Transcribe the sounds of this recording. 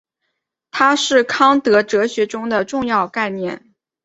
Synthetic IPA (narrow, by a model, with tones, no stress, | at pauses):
t̪ʰa˥ʂɻ̩˥˩kʰɑ˥ŋt̪ɤ˧˥ʈ͡ʂɤ˧˥ɕɥɛ˧˥ʈ͡ʂʊ˥ŋd̪ə˨ʈ͡ʂʊ˥˧ŋjɑ˥˧ʊka˥˧ɪnjɛ˥˩n